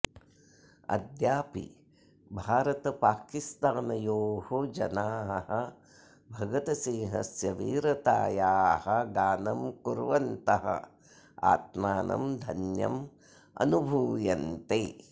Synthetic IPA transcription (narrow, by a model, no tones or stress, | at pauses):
ɐ̰d̪jaːpḭ | bʱaːɾɐt̪ɐpaːkist̪aːnɐjoːhod͡ʒɐnaːɦɐhɐ | bʱɐɡɐt̪ɐsĩːɦɐsjɐʋḭːɾɐt̪aːjaːhɐɡaːnɐmkuɾʋɐnt̪ɐɦɐ̰ | a̰ːt̪maːnʔɐ̰md̪ʱɐnjɐ̰m | ɐ̰nubʱuːjɐnt̪eː